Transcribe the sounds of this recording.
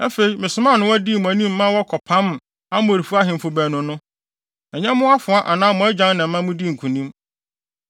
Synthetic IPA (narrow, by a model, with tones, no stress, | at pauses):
a˦fe˨i˨mɪ̃˨sʊ˨˦mã˦˨nʊ̃˦wɔ˦di˦˨mʊ̃˨æ˨nĩ˦mː˦ã˦wɔ˦kʰɔ˨pʰã˦m˨ | a˦mʊ̃˦˨ɾi˨fu˦a˦ɦɪ̃˨m̩˨fʊ˨bæː˨nʊ̃˨nʊ̃˦ | ɛ˨ɲɛ̃˦mʊ̃˦a˦fʊ̃˨a˦ʔa˨nãː˦mʊ̃˨æ˦d͡ʑã˦ŋ˦nã˨m̩˦mã˦mʊ̃˦di˦˨ŋ̩˨kʰũ˨nĩ˦m